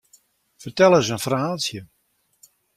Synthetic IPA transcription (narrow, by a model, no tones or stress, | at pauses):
fərtɛlˠəsənfraːlˠsjə